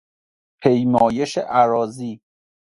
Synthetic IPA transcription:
pʰejmɒːjeʃḛʔæɾɒːziː

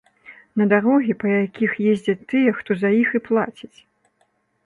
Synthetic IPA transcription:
nɐd̪aɾɔɣʲipɐjakʲʰixjɛzʲd͡zʲɐt̪ːɨjɛxt̪ɔzɐjixiplˠa̰t͡sʲit͡sʲ

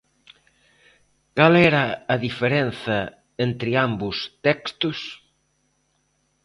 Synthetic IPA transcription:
kalɛɾɐːðifeɾenθɐ | ent̪ɾɪambʊst̪ɛkst̪ʊs

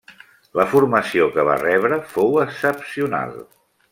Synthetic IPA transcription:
ləfurməsiokəβa̰rɛβ̞ɾəfowəsəpsiuna̰lˠ

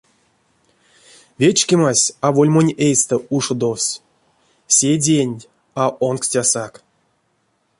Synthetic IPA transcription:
vʲet͡ʃkʲemasʲavolʲmonʲejst̪əuʂod̪ofsʲ | sʲedʲenʲ | aʔonksʲtʲasak

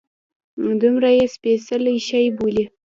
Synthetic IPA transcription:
md̪ʊmɾajespesəliʃajbuli

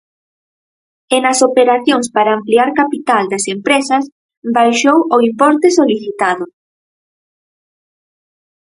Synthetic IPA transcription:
enɐsopeɾaθjoŋspaɾaːmpliaɾkapit̪ald̪asempɾesɐs | bajʃowoimpɔɾt̪esoliθit̪aðʊ

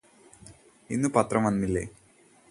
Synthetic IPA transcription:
inːupɐt̪ːrɐmɐnːilːḛ

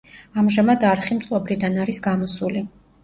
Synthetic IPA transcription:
amʒamad̪aɾχimt̪sʼwɔbɾid̪anaɾisɡamɔsuli

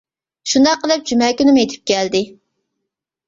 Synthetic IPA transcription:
ʃund̪ɑqːəlˠɨp̚d͡ʒymɛkʲynɪmjet̪ʰɪ̥p̚kʲɛld̪ɪ

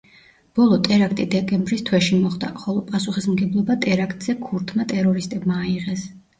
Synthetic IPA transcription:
b̥ɔlˠɔt̪ʼɛɾakʰt̪ʼid̪ɛkʼɛmbɾist̪ʰwɛʃimɔχd̪a̰χɔlˠɔpʼasuχismɡɛblˠɔbat̪ʼɛɾakʰt̪ʼz̥ɛkʰuɾt̪ʰmat̪ʼɛɾɔɾist̪ʼɛbmaːiʁɛs

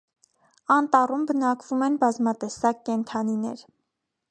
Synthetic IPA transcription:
ɑnt̪ɑrumbənɑkvumɛnbɑzmɑt̪ɛsɑk̚ːɛnt̪ʰɑninɛɾ

